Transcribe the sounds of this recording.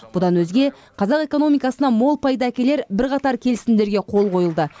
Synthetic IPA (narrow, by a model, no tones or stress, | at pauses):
b̥ʊd̪ɑnwɵzɡʲe̞ | qʰɑzɑqe̞ko̞no̞mijkɑsənɑmo̞lˠpɑjd̪əækʲe̞le̞ɾbɪɾqɑt̪ɑɾkʲʰe̞lɪsɪmd̪e̞ɾɡʲe̞qʰo̞lˠqʰo̞jəlˠd̪ə